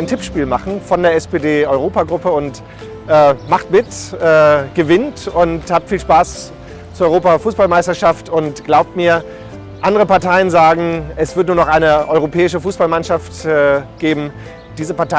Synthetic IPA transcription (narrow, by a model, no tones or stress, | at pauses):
ɪntʰɪpʃpiːlmaχn̩fɔndeːɐɛspeːdeːʔɔʏʁoːpaɡʁʊpəʊnt | ʔɛːmaχtmɪtʔɛːɡ̥əvɪntʊnthaːp̚tfiːlʃpaːs | t͡suɐɔʏʁoːpafuːsb̥almaɪstɐʃaftʊntɡ̥laʊp̚tmiːɐ | ʔandəʁəpaɐtʰaɪənzaːɡŋ̩ʔɛsv̥ɪɐtnuːɐnɔχʔaɪnəʔɔʏʁ̞opʰɛːɪʃ̬əfuːsb̥almanʃaftɛːɡ̥eːbm̩ | d̥iːzəpaɐta